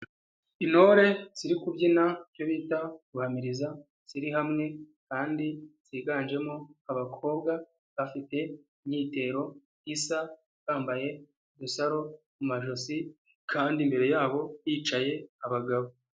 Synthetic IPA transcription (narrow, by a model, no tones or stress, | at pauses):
ino̞ɾe̞z̥iɾikubɟinajo̞βiːtaɡuhamiɾiza | z̥iɾiɦamŋe̞ | kaːndiz̥iɡaːnd͡ʒe̞moaβakʰo̞ːbɡa | βafite̞imɲiːte̞ɾo̞ | isa | βaːmbaje̞ | βusaɾo̞ | mumaʒo̞si | kʰaːndimbe̞ɾe̞jaːβo̞jiːt͡ʃaje̞aβaɡaβo